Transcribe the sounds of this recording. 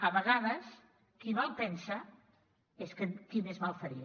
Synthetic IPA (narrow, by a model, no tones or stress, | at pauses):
əβəɣaðəs | kiβalˠpɛnsə | eskənkimezmalˠfəɾi